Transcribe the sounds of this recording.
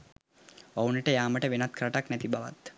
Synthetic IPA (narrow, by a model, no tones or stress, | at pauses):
ʋawnəʈəjaːməʈəʋenat̪kɾəʈaknæt̪ibaʋa̰t̪